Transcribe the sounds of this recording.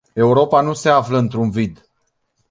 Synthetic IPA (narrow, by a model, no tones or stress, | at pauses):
e̞uɾo̞panuse̞afləɨnt̪ɾunvid̪